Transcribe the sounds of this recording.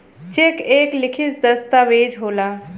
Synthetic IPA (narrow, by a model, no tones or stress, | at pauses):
t͡ʃekeːklɪkʰɪsd̪əst̪aʋeːd͡ʒɦoːlaː